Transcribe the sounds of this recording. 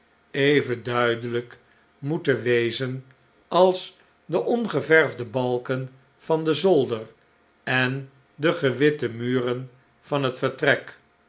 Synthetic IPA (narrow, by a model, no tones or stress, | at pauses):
eɪjvəndœɥdələk | mutəʋejzən | ɑlˠs | dəʔɔnχəvɛɹvdəbɑlˠkən | fɑndəzɔlˠdər | ɛn | dəχəʋɪtəmyːrən | v̥ɑnɦətfəɹtrɛk